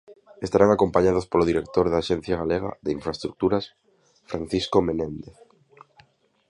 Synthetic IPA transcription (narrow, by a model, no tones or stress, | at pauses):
est̪aɾaŋakompaɲaðospoloðiɾek̚t̪oɾðaːʃɛn̟θjaɣaleɣa̰ðeiɱfɾaest̪ɾuk̚t̪uɾas | fɾan̟θiskomenẽnd̪eθ